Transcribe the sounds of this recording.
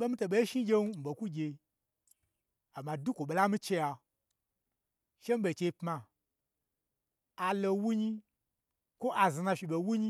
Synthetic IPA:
ɓe˦mi˦to˨ɓe˨˦ʃi˦ɡʲe˧nu˦m̩˨ɓo˨ku˦ɡʲe˧ | a˨ma˨du˦kʷo˨ɓe˨la˦mi˦t͡ʃe˧ja˧ | ʃe˦m̩˦ɓe˨t͡ʃe˧˦pma˨ | a˨lo˧wu˦ɲi˦ | kʷo˦ʔa˨zi˨na˧fi˨ɓo˨wu˦ɲi˦

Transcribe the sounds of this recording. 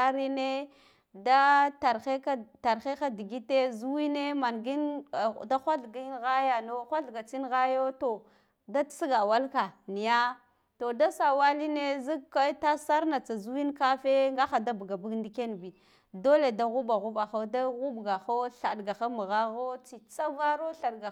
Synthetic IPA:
a˦ɾi˦ne˦ | da˦ta˨ɾxe˦ka˦ta˨ɾxe˦xa˦di˨ɡi˦te˦zu˦wi˦ne˦ma˨nɡi˦n˨da˦xʷa˦ɬɡi˦nɣa˦ja˨no˦xʷa˦ɬɡa˨t͡si˦nɣa˦jo˦to˨ | da˦tsi˦ɡa˨wa˦lka˨ni˨ja˦ | to˨da˦sa˨wa˦li˦ne˦zi˦kka˦ta˦sa˦ɾna˨t͡sa˨zu˦wi˦nka˦fe˦ŋɡa˦xa˨da˦bu˨ɡa˨bu˦ɡndi˦ke˦nbi˨ | do˦le˨da˦ɣu˦ba˨ɣu˦ba˨xa˦da˦ɣu˦bɡa˨xo˦ɬa˨dɡa˨xa˦mu˨ɣa˦ɣo˦t͡si˨t͡sa˦va˦ɾo˦ɬa˨ɗɡa˨

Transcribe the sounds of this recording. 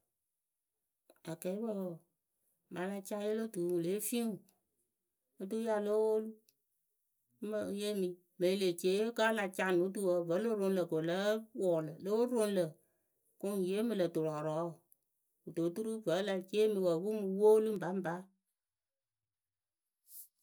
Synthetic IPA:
a˨kɛ˨˦bə˦w | ma˨˦la˧t͡ʃa˦je˦lo˦tu˨wu˨le˨˦fi˦ŋ˨ | o˦tu˦ja˦˧lo˦wo˦lu˦ | mə˦je˦mi˨ | mə˨i˦le˨t͡ʃe˨˦ka˦la˧t͡ʃa˦˨nu˨˦tu˦˨wə˨və˨˦lo˦ɾo˧nlə˨ko˨lə˦wɔ˨lə˨lo˦o˦ɾo˦nlə˨ | kʊ˦ŋ˨je˨˦mɨ˨lə˨tu˨ɾɔ˨ɾɔ˨˦˨ | u˨to˨˦tu˦ɾu˦və˨˦la˨t͡ʃeː˦mi˨wə˨˦bu˦mu˨wo˦lu˦m̩˦ba˨˦m˦ba˦

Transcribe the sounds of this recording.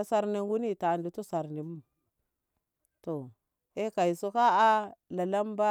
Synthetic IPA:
a˦sa˨ɾni˨ŋɡu˦ni˦ta˨ndu˨tu˦sa˨ɾni˨mu˦˨ | to˨ | e˦ka˨i˨su˦ka˦a˦la˨la˦mba˦

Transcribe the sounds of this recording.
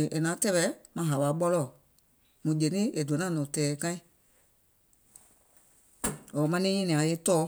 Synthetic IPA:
ʔe˨nã˨˦tɛ˦ɓɛ˧˦mã˧˦ɦa˨ɓa˨˦ɓɔ˧lɔ˨ | mũ˨d͡ʒe˨nĩ˦e˨du˨ã˨nã˦˨nɔ̃˨tɛː˨˦kã˦ĩ˦ | ɔː˨˦mã˧˦nĩ˦ɲɛ̃˦nĩ˨ã˨˦je˦tɔː˦

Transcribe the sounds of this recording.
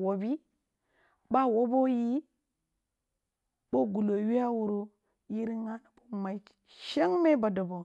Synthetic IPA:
wo˨bi˦ | ba˦wo˦bo˦ji˦ | bo˦ɡu˨lo˨wi˦a˦wu˨ɾu˦ | ji˦ɾi˦ŋa˦na˨po˦ma˨i˨˦ | ʃe˦ŋme˦ba˨do˨bo˨

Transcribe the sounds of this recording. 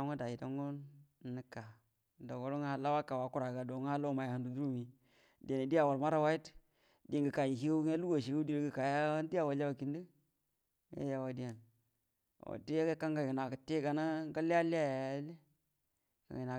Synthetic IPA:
ŋo˦da˨ji˨da˨ŋɡo˦n˨ni˦ka˨ | da˨wo˨lo˦ŋ˦ha˨la˦wa˦ka˨wa˨˦ku˦ɾa˨ɡa˨do˨ŋ˦a˦lo˦˨ma˨ja˨ha˨ndu˨du˦ɾu˦mi˨ | di˨a˨ni˨di˦a˦˨wa˨lma˦ɾa˦wa˦i˦t | di˦a˨ŋɡə˨ka˨ji˨hi˦ɡa˦a˦lu˦ɡo˨ʃi˨ɡa˦di˦ɾɡə˨ka˨ja˦a˦nti˦a˦˨wa˨la˦wa˨ki˨ndi˦ | ŋḛ˦ja˨wa˨di˦ja˨n | o̰˨ti˦a˦ɡa˦ka˦ŋɡa˨ɡə˨na˨kə˨te˦ɡa˨na˦ɡa˦li˦a˦li˦a˦ja˨˦li˦ | ka̰˨ŋi˨na˨

